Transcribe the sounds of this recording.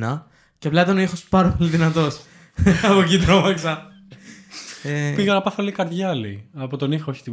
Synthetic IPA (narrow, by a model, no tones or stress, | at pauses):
nɐ | ceplɐet̪ɐnoixospɐɾɐpo̞liðinɐt̪o̞s | ɐpocit̪ɾomɐksɐ | epiɣɐnɐpɐθɐlikɐɾðʝɐlḭɐpot̪onixooçi̥t̪i